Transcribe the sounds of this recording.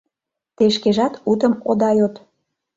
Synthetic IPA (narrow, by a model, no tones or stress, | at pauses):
t̪eʃkeʒɑt̪ut̪əmod̪ɑjot̪